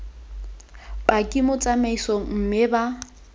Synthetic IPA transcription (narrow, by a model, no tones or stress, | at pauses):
bakʼimʊt͡sʼamaisɔm̩mɪba